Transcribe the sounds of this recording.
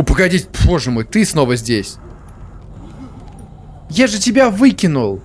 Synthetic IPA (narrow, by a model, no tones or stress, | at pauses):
ʊpəɡɐdʲitʲpoʐɨmujt̪ɨsnovəzʲdʲesʲ | jaʐɨtʲɪbʲavɨkʲɪnʊlˠ